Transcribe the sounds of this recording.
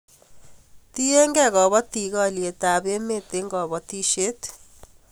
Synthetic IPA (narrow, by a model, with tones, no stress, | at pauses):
t̪i˦e˦ŋɡɛ˦˨ɣɔ˨βɔ˦t̪i˨ɣɔ˦˨lie˨t̪a˨be˦me˦˨t̪e˦ŋɡɔ˨bɔ˨t̪i˦ʃe˦t̪